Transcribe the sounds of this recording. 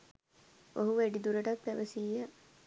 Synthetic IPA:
oɦuʋeɖid̪uɾəʈat̪pæʋəsijə

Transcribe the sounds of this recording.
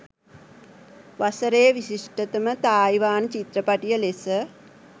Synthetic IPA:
ʋasəɾeːʋisiʂʈət̪əmət̪aːiʋaːnət͡ʃit̪ɾəpaʈijəlesə

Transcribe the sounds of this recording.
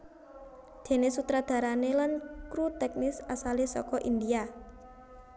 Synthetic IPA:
d̪̥e̤nesut̪ɾad̪̥a̤ɾanelankɾut̪ɛk̚nɪsasalesɔ̰kɔʔind̪ia

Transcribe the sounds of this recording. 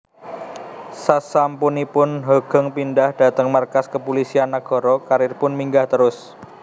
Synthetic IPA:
sasampunipʊnɦɔɡ̥ə̤ŋpindahd̥a̤t̪əŋmarkaskəpulisianːaɡ̥ɔ̤ɾɔkaɾɪrpʊnmiŋɡaht̪əɾʊs

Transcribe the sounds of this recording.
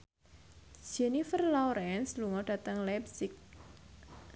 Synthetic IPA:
ʒ̥ɛnifərlɔɾɛnsluŋɔɖ̥ä̤t̪əŋlɛpsɪk̚

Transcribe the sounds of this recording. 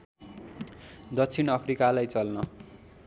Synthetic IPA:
d̪ʌt͡sʰinʌpʰrikalajt͡sʌlnʌ

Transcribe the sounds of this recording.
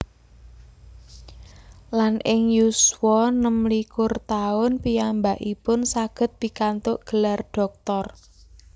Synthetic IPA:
lanʔɪŋjuswɔnəmlikʊrt̪aʊnpijambaʔipʊnsaɡ̥ə̤t̪̚b̥i̤kant̪ʊʔɡ̥ə̤larɖ̥ɔ̤k̚t̪ɔr

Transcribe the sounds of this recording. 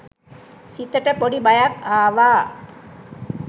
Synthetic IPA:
sit̪ːəʈəpoɖibajakaːʋaː

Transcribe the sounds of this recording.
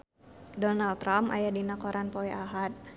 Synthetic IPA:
dɔnalt̪ɾamʔa̰jadinakɔɾʔanpɔɛʔaɦat̪̚

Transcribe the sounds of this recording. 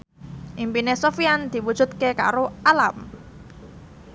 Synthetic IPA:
ʔimpinesofiand̪̥i̤wud̥ʒ̥ṳt̪̚keka̰ɾoalam

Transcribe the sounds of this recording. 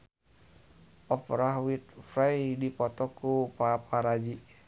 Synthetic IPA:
ʔɔpɾaɦwit̪̚fɾajdipɔt̪ɔkupapaɾad͡ʒi

